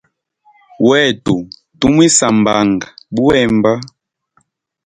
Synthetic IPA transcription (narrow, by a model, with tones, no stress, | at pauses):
wɛ˦˨tu˨ | tu˦mwi˦sa˨mba˨ŋɡa˨bu˦ɛ˦˨mba˦